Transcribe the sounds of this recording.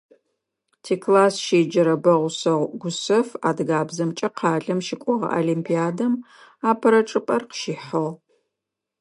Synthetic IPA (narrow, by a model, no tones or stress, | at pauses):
tʰeːkʰlaːsʃeːd͡ʒɐɾɐbɐʁʷʊsɐʁʷɡʷʊsɐfa̰ːdɡaːbzɐmt͡ʃʼɐqʰɑːɮɐmʃɪkʷʼɔʁɐ̰ʔa̰limpʰiaːdɐm | aːpʰɐɾɐʈ͡ʂʼɨpʼɐrqə̥ʃiːħɐʁ